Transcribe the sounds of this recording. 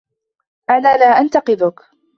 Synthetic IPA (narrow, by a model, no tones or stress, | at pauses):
ʔanaːlaːʔant̪ɑqɨðʊk